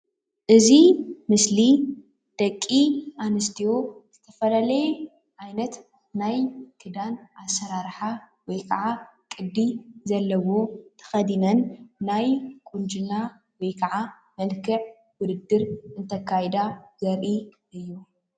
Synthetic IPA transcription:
ʔɨzimɨsli | d̪̥ɐkʼːiʔanɨst̪ʰijoz̥ɨt̪ʰɐfɐlalɐje | ʔajnɐt̪ | najkʰɨd̪anasːɐɾaɾħa | wɔjkʰɐʕa | kʼɨd̪ːizɐlːɐwo̞t̪ʰɐ̥xɐd̪inɐnːajkʼund͡ʒɨna | wɔjkʰɐʕa | mɐlkʰɨʕ | wʊd̪ɨd̪ːɨɾʔɨnt̪ʰɐkʰːajd̪azɐɾʔi | ɨjːu

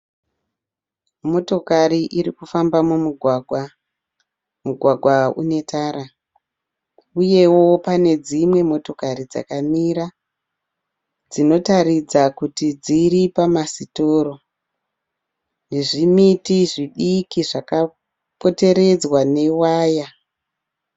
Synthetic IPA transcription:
mo̞to̞kariʔiɾikufambamumuɡʱwaɡʱwa | muɡʱwaɡʱwaṵne̞tʰaːɾa | uje̞wo̞pane̞d͡zimwe̞mo̞to̞karid͡za̰kamiɾa | d͡zino̞taɾid͡zakutid͡ziɾipamasitoːɾo̞ | ne̞ʐimitiʐiɗikiʐaka | po̞te̞ɾe̞d͡zwane̞waːja

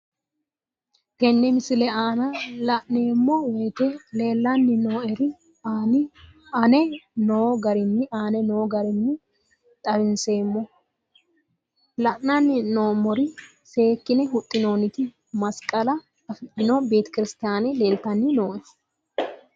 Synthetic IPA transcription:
ɡɛnːɛmɪsɪlɛaːnɐlɐʔne̞ːmːɔweːt̪ɛle̞ːlːɐnːɪno̞ːɛɾɪ | aːnɪ | ɐnɛno̞ːɡɐɾɪnːɪaːnɛnoːɡɐɾɪnːɪ | t̪ʼɐbɪnse̞ːmːɔ | lɐʔnɐnːɪno̞ːmɔɾɪ | se̞ːkːɪnɛɦʊt̪ʼːɪno̞ːnɪt̪ɪ | mɐskʼɐlɐ | ɐfɪd̪ɪnobe̞ːt̪ɛ̥kɪɾɪst̪aːnɛle̞ːlt̪ːɐnːɪno̞ːʔɛ

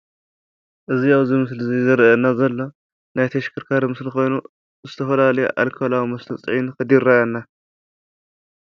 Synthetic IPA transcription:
ʔɨziaβzimɨs̬lzizɐɾʔɐnːazɐlːo̞ | najt̪ʰɐʃkʰɨɾkʰaɾmɨslixo̞jnu | zɨt̪ʰɐfɐlalɐjṵʔa̰lkʰolawimɐst̪ʰɐt͡sʼʕinkɨd̪iɾːajanːa

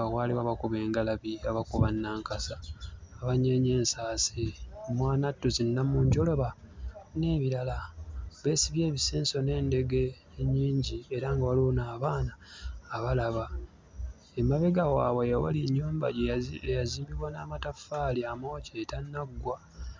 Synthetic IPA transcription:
aɣwaːliwaβakuβeːŋɡalaβiaβakuβanːaːŋkasaːβaɲe̞ɲe̞ːnsaːsimwaːnatːuzinːamuːɲɟo̞lo̞βane̞ːβiɾalaβe̞ːsiβje̞ːβiseːnso̞ne̞ːnde̞ɡe | ɲːiːɲɟie̞ɾaŋɡawalonaːβaːnaːβalaβa | emaβeɡawaːwejwa̰liɲːuːmba̰ɟeejaziːmbiβwanaːmatafaːliamo̞ːceːtanːaɡːwa

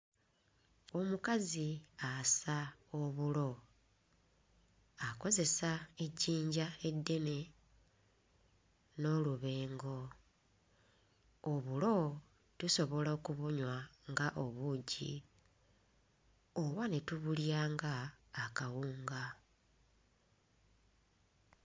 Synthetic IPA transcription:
o̞mukaziasaoβulo̞ | ako̞ze̞sae̞ɟiːɲɟae̞dːe̞ne̞ | no̞luβe̞ːŋɡo̞ | oβulo̞ | tuso̞βo̞laokuβuɲwaŋɡaʔo̞βuɟḭ | oβwanetuβuljaːŋɡaːkawuːŋɡa

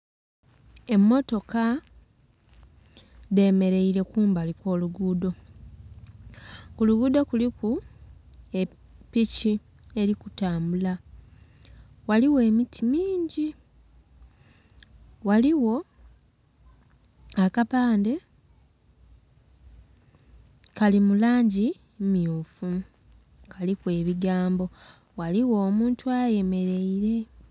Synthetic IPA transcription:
e̞mːo̞to̞ka | ðe̞me̞ɾe̞iɾe̞kuːmbalikwo̞ːluɡuːdo̞ | kuluɡuːdo̞kuliku | e | pici | e̞ɾikutaːmbula | waliwe̞ːmitʰimiːɲɟi | waliwo̞ | akapaːnde̞ | kalimulaːɲɟi | mjuːfu | kalikwe̞ːβiɡaːmbo̞ | waliwo̞ːmuːntuaje̞me̞ɾe̞iɾe̞

